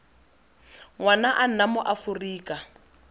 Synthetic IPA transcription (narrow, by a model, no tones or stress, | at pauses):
ŋwanaʔan̩namʊʔafuriːka